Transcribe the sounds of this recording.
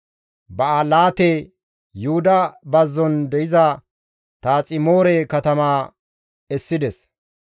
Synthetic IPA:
bɐalaːt̪e | jʊhʊd̪ɐbɐzːɔnd̪ɛʔɪzɐ | t̪aːt͡sʼɪmo̞ːɾɛkɐt̪ɐmaː | ɛsːɪd̪ɛs

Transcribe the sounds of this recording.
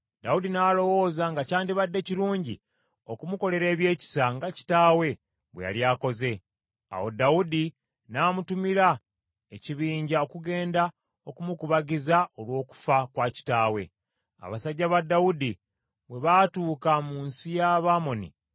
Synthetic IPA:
d̥audinalo̞wo̞ːzaŋɡacaːndiβadːe̞ciɾuːɲɟḭ | okumuko̞le̞ɾe̞ːβje̞ːci̥saŋɡaci̥taːwe̞ | βweja̰ljaːko̞ze̞ | a̰wodaudi | naːmutumiɾa | e̞ciβiːɲɟao̞kuɡe̞ːnda | o̞kumukuβaɡizao̞lwo̞ːku̥fakwaːci̥taːwe̞̰ | a̰βasaɟːaβadːaudi | βwe̞βatuːkamuːnsijaβamo̞nḭ

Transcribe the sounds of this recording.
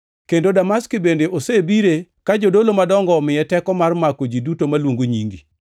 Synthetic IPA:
kendodamaskibendeʔosebiɾekad͡ʒodolomadɔŋɡɔmɪjɛtɛkɔmarmakod͡ʒidutomalwoŋɡoɲiŋɡi

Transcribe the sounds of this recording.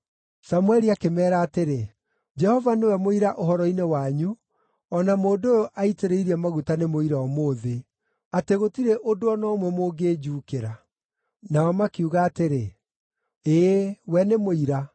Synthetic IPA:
samwɛɾiakemɛːɾaːteɾe | d͡ʒɛhɔvanewɛmoiɾaʔoɦɔɾɔinewaɲu | ɔnamoːdoːjoʔaiteɾeiɾiɛmaɣutanemoiɾaɔmoːðe | ateɣotiɾɛʔodoɔnɔːmwɛmoːɡeːd͡ʑuːkeɾa | naɔmakiuɣaːteɾe | eːwɛnemoiɾa

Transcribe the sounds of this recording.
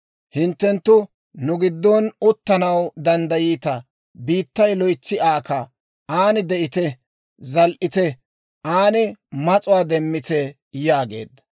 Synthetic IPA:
hɪnt̪ːɛnt̪ːʊ | nʊɡɪd̪ːɔnʊt̪ːɐnɐwd̪ɐnd̪ɐjiːt̪ɐ | biːt̪ːɐjlɔjt͡sːɪaːkɐ | aːnɪd̪ɛʔɪt̪ɛ | zɐlʔɪt̪ɛ | ʔaːnɪmɐt͡sʼʊwaːd̪ɛmːɪt̪ɛ | jaːɡḛːd̪ːɐ̥

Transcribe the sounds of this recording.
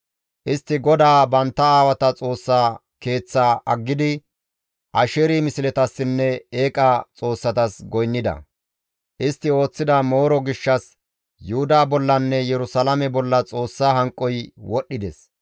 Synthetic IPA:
ʔɪst̪ːɪɡɔd̪aːbɐnt̪ːɐaːwɐt̪ɐt͡sʼo̞ːsːaː | ke̞ːt͡sːaːʔɐ̰ɡːɪd̪ɪ | ʔɐʃɛɾimɪsɪlɛt̪ɐsːɪnːɛe̞ːkʼɐt͡sʼo̞ːsːɐt̪ɐsɡɔjnːɪd̪ɐ̰ | ʔɪst̪ːɪo̞ːt͡sːɪd̪ɐmo̞ːɾɔɡɪʃːɐs | jʊhʊd̪aːbɔlːɐnːɛjɛɾʊsɐlɐmɛbɔlːɐt͡sʼo̞ːsːaːɦɐŋkʼːɔjwɔɗːɪd̪ɛs

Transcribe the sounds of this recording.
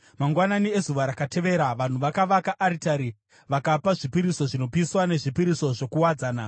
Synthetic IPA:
maŋɡwananie̞zuʋaɾakate̞ʋe̞ɾaʋan̤uʋakaʋakaʔːɾitaɾi | ʋakapaʐipiɾiso̞ʐino̞piswane̞ʐipiɾiso̞ʐo̞kuwad͡zaːna

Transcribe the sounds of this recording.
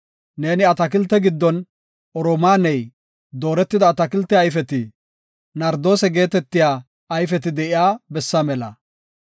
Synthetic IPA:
ne̞ːnɪɐt̪ɐkɪlt̪ːɛɡɪd̪ːɔn | ɔɾomaːnɛj | d̪o̞ːɾɛt̪ːɪd̪ɐːt̪ɐkɪlt̪ːɛɐjfɛt̪ɪ | nɐɾd̪o̞ːsɛɡe̞ːt̪ɛt̪ːɪjaː | ɐjfɛt̪ɪd̪ɛʔɪjaːbɛsːɐmɛlɐ̰

